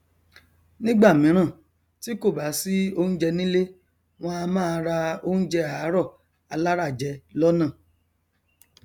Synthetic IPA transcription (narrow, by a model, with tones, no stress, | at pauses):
nĩ˦ɡ͡ba˦˨mĩ˨˦ɾ̃ã˦˨ | ti˦ko˦˨ba˨˦si˦o˦˧ñ̩˦d͡ʒɛ˧nĩ˦le˦ | w̃ɔ̃˧a˧mãː˦˧ɾa˧o˦˧ñ̩˦d͡ʒɛ˧a˨˦ɾɔ˦˨ | a˧la˦ɾa˦˨d͡ʒɛ˧lɔ˦nãː˦˨